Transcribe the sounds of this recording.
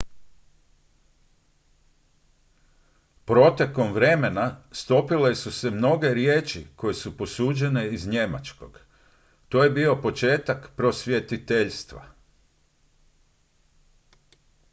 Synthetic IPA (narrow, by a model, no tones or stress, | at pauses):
pɾo̞t̪e̞ko̞mʋɾe̞me̞nast̪o̞pilesuse̞mno̞ɡe̞ɾjeːt͡ʃḭko̞jesupo̞suːd͡ʒe̞ne̞izɲe̞ma̰t͡ʃko̞̰ɡ̥ | t̪o̞ːje̞bio̞po̞t͡ʃe̞ːt̪akpɾo̞sʋje̞t̪it̪eʎst̪ʋa̰